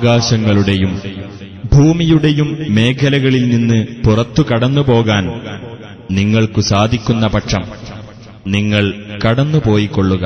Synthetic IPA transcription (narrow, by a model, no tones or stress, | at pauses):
ɣaːɕɐŋːɐɭuɽe̞jum | bʱuːmijuɽe̞jumːe̞ːkʰɐlɐɣɐɭilninːɨpurɐt̪ːukɐɽɐnːupo̞ːɣaːn | niŋːɐɭkɨsaːd̪ʱikʲːunːɐpɐʈʂɐm | niŋːɐɭkɐɽɐnːupo̞ːjikːo̞ɭːuɣɐ